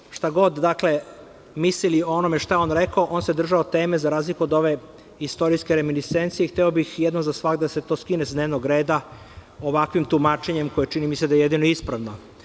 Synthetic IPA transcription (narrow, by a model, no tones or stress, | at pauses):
ʃt̪aɡo̞d̪d̪akle̞ | mislilioonomeʃt̪ajeo̞nɾekoʔo̞ːnse̞d̪r̩ʒaot̪e̞ːmezaɾaːzlikuod̪o̞ʋe̞ | ist̪o̞ɾijskeɾeminist̪ent̪siext̪ɛobixjɛd̪nozasʋakd̪ase̞t̪o̞skinesd̪neʋnoɡɾe̞ːd̪a | oʋakʋimt̪umaːt͡ʃe̞ɲemko̞jet͡ʃinimised̪ajejed̪inoeispɾaʋno